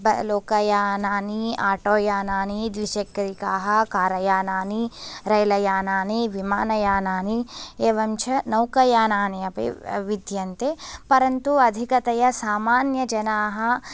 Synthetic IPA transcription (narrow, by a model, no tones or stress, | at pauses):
bɐloːkɐjaːnaːniaːʈoːjaːnaːnid̪ʋiʃɐkːɐɾikaːɦɐkaːɾɐjaːnaːniɾɐjlɐjaːnaːniʋimaːnɐjaːnaːnieːʋɐmt͡ʃʰɐnɐwkɐjaːnaːniɐpḭʋid̪jɐnt̪epɐɾɐnt̪uɐd̪ʱikɐt̪ɐjɐsaːmaːnjɐd͡ʒɐnaːɦɐ